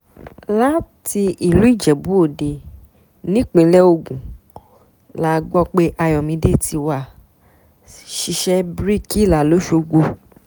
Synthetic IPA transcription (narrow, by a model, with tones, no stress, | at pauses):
la˦ti˧i˨lu˨˦i˦˨d͡ʒɛ˨bu˦o˦˨de˨ | nĩ˦k͡pĩ˧lɛ˦o˧˨ɡũ˨ | la˦˨˧ɡ͡bɔ˦k͡pe˦ʔa˧jɔ˨mĩ˧˦de˦tʰi˧wa˨ | ʃi˧ʃɛ˦bɾi˦ki˦˨la˨lo˨˦ʃo˧ɡo˧